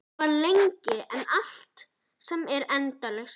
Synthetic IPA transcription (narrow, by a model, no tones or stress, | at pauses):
aɾleɲcɪɛnal̥t̪ | sɛmɛɾɛnt̪alɛxs